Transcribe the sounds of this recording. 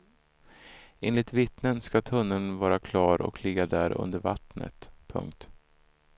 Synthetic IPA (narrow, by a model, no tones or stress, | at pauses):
eːnlɪt̪vɪt̪nənskat̪ʰɵnːənvɑːɾakʰlɑːɾɔ̰kʰlɪɡːad̪æːɾɵ̰nd̪əɾva̰t̪nə̰t̪pʰɵ̰ŋk̚t̪